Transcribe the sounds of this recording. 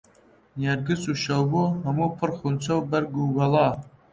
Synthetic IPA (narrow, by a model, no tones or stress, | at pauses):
njɛɾɡɨt͡sʼuːʃɐwboɦɐmuːpʰɨrxunt͡sʰɐwbɐɾɡubɐlˠɑː